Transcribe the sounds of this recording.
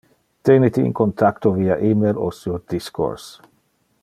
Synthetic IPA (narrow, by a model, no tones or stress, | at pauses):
t̪enit̪ḭːŋkont̪ʰakt̪oviaʔimeɾosiod̪isko̰ɾs